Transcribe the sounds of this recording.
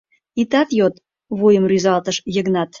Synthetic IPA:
it̪ɑt̪jot̪ | βujəmryzɑlt̪əʃjə̆ɣnɑt̪

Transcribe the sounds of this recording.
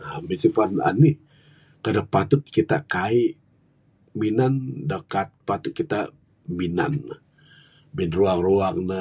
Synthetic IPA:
amisipana̰ni | kadapat̪ʊt̪̚kit̪akaiʔ | minandəkat̪̚pat̪ʊt̪̚kit̪aʔ | mina̰n | minruaŋroaŋnə

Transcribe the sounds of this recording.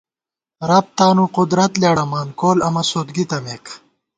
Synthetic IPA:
ɾɐp̚t̪aːnuqʊd̪ɾɐt̪laːɽɐmaːnkoːlɐmɐsoːt̪ɡit̪ɐmeːk

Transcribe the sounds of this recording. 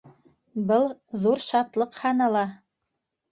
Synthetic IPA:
bɤlˠðuɾʃɑt̪lˠɤqhɑnɑlˠɑ

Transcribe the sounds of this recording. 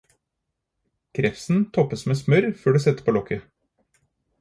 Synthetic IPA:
kʰɾɛfsn̩t̪ʰɔpːəsmeːsmœɾføːɖɛsɛt̪ːə̥pʰoːlɔkʰə

